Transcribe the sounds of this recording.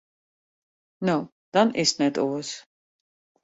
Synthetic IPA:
nɔ | d̪̥anisnɛt̪ʼṵlɛs

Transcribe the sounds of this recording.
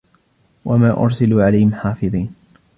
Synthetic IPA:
wʔamaːʔʊ̰ɾˤsaluːʕalajhɪmħaːfɨðˤiːn

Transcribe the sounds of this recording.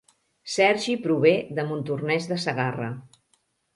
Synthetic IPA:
sɛɾʒipɾuβ̞eðəmunt̪urnɛzðəsəɣarə̰

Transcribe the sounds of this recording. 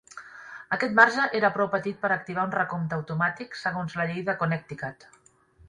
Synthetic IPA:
əkɛt̪maɾʒəʔeɾəpɾɔwpət̪it̪̚pəɾək̚t̪iβ̞aunrəkomt̪əəwt̪umat̪iksəɣonzləʎejðəkunɛk̚t̪ikat̪

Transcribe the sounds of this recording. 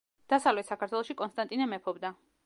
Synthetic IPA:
d̪̥asavlɛt̪sakʰaɾt̪ʰwɛlˠɔʃikʼɔnst̪ʼant̪ʼinɛmɛpʰɔbd̪a

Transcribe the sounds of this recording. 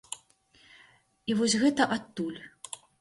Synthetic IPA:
ivɔsʲɣɛt̪ɐʔat̪ːulʲ

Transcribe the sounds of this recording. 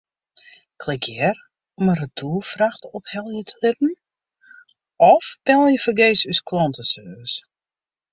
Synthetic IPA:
kʰlɪkjɛr | ɔmərətʰuːfraxtɔphɛlˠjətʰəlɪp̚n̩ | ɔfb̥ɛlˠjəfəɡeːsyskʰlɔntəsøːs

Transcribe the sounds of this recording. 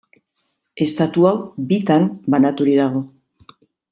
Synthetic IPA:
e̞st̪at̪uawbit̪ambanat̪uɾiðaɣ̞o̞

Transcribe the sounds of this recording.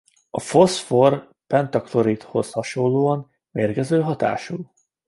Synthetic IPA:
ɒfo̞sfor | pɛnt̪ɒkloɾit̪ho̞shɒʃonloːɒn | meːrɡɛzøːɦɒt̪a̰ːʃul

